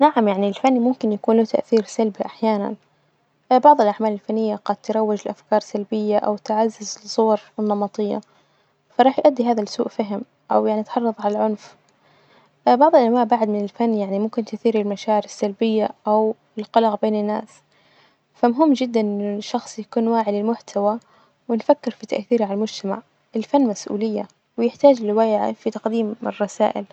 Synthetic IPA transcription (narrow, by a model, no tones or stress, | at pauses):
naʕamjaʕnilfanːimʊmkɪnjakuːnlot̪aʔθiːɾsalbiʔaħjaːna̰n | bɑʕðˤɪlʔaʕmaːlɪlfanːɪjːaɡɑd̪̚t̪ːɾˤɑwːɪd͡ʒɪlʔafkɑːɾˤsalbɪjːaʔa̰wt̪ɪʕazːɪzlsˤːʊwɑɾˤɪnːɑmɑt̪ˤɨjːa̰ | fɑɾˤɑːħjʔad̪ːiɦaːðalsṵːʔfaɦɪm | ʔa̰wjaʕniʔt̪ħɑrˤːɑðˤʕalalʕʊnf | bɑʕðˤɪlʔanwaːʕbaʕd̪mɪnɪlfanːjaʕnimʊmkɪnt̪ʊθiːɾɪlmaʃaːʕɪɾɪsːalbɪjːaʔaw | ɪlqɑlɑɣbeːnɪnːa̰ːs | famʊɦɪmːd͡ʒɪd̪ːanʔɪʃːɑxsˤjakuːnwaːʕɪlɪlmʊħt̪ʰawa | wɪnfakːɪɾfit̪a̰ʔθiːɾʕalalmʊd͡ʒt̪ama̰ʕ | ʔɪlfanːmasʔṵːlɪjːa̰ | wɪjɪħt̪aːd͡ʒɪlɪwaːjʕa̰fit̪ɑqd̪iːmɪ̰rˤːɑsa̰ːʔɪ̰l